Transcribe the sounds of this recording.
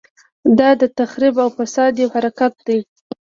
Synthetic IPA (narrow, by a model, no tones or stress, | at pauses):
d̪ɑd̪ət̪axɾibawfasɑd̪jewhaɾakat̪̚d̪aj